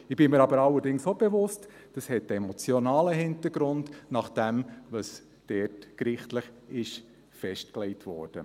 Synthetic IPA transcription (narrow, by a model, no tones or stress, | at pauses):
ɪb̥ɪməɾɑbəɾɑlːəɾdɪŋsob̥evʊst | d̥ɑshɛt̚dɛmɔt͡sjɔnɑːləɦɪntəɾɡɾʊndnɑχd̥ɛmvɑs | d̥ɛːtkɾɪχtləχɪʃ | fɛʃtklɛɪtʋɔ̰ːɾd̥ə